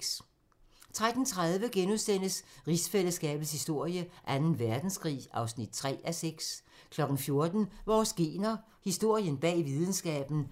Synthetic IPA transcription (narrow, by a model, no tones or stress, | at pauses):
t͡sʰʁad̥n̩t͡sʰʁaðˠʋəɡ̥enusd̥en̰əsʁisfeləsɡ̥ɛ̰ːb̥ð̩ˠshisd̥o̝ɐ̰jəʔænn̩ʋæɐd̥n̩sɡ̥ʰʁḭːɑ̈ʊsnid̥̚t͡sʰʁɛ̰ːæseɡ̥s | kʰlɒ̽ɡ̥n̩fjo̝ɐd̥n̩ʋɒːsɡ̥e̝ːnɐ | hisd̥o̝ɐ̰jənb̥ɛ̰ːʋið̞ˠn̩sɡ̥ɛ̰ːb̥n̩